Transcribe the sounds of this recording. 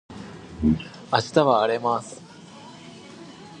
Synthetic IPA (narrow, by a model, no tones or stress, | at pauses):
aɕi̥t̪aβaːɾe̞masɨ̥